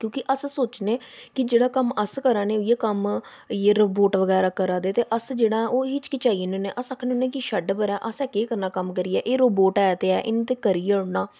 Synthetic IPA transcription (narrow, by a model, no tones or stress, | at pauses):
kjõːkɪʔəssoːt͡ʃnẽːkɪd͡ʒeːɽaːkəməskəɾãːneːʊieːkəm | jeːɾoːboːʈʋəɣɛːɾaːkəɾãːd̪eːt̪eːʔəsd͡ʒeːɽãːʔoːɦiːt͡ʃkɪt͡ʃaːiːnoːneːʔəsəkʰnːnẽːkɪʃəɖbəɾɛːʔəsɛːkeːkəɾnaːkəmkəɾiːɛːʔeːɾoːboːʈɛːt̪eːɛːʔɪnːt̪eːkəɾiːʊɽnaː